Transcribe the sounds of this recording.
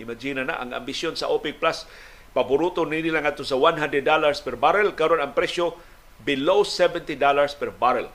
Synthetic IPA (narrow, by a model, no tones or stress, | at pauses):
ɪmad͡ʒinana̰ʔa̰ŋa̰mbisjonsa̰ʔopɪk̚plas | pabʊɾut̪oninilaŋad̪̚t̪osawanɦand̪ɾɛd̪ːalaɹspɛɾbaɾɛlkaɾonaŋpɾɛʃjo | bɪlowsɛvɛ̃nt̪idalaɹspɛɾbaɾɛl